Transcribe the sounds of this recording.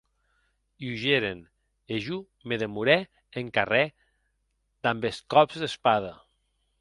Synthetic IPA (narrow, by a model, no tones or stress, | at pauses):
iuʒeɾen | eʒu | meðemuɾɛ | eŋkarɛ | d̪̥ambeskɔbzðespað̞ə